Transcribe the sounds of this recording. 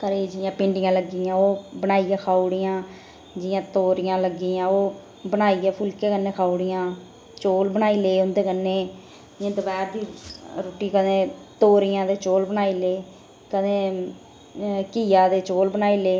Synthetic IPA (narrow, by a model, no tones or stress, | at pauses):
kəɾeːd͡ʒɪjãːpɪ̃ɳɖɪjãːləɡɪjãːoːbənaːiːãːkʰaːuɽɪjãː | d͡ʒɪjãːt̪oːɾɪjãːləɡijãːoː | bənaːiːaːpʰʊlkeːkənːeːkʰaːuɽɪjãː | t͡ʃoːlbənaːiːleːʊnd̪eːkənːeː | d͡ʒjãːd̪əbɛːɾd̪iːɾoːʈːiːkəd̪ẽːt̪oːɾɪjãːd̪eːt͡ʃoːlbənaːiːleː | kəd̪ẽː | kiːjaːd̪eːt͡ʃoːlbənaːiːleː